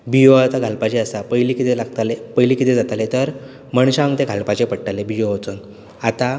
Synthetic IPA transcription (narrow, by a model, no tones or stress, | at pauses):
bijoat̪aɡʱalpat͡ɕeəsapəjlikit̪elaɡt̪alepəjlikit̪ed͡zat̪alet̪əɾ | məɳɕaəŋɡt̪ẽɡʱalpat͡ɕepəɽʈalebijot͡sən | at̪a